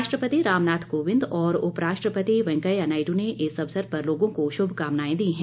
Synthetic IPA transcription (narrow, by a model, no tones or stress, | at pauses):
ʃʈɾəpət̪iɾaːmnaːt̪ʰkoːʋɪ̃nd̪ɔːɾʊpɾaːʃʈɾəpət̪iʋɛ̃ŋkəjɐnaːɪɖũneʔeːsɐbsəɾpɐɾloːɡõkoʃʊbʱkaːmnaːẽd̪iiɦɛ̃ː